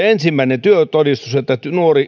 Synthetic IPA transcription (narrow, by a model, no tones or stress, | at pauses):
ensimːæinet̪yøt̪odist̪uset̪ːæynuori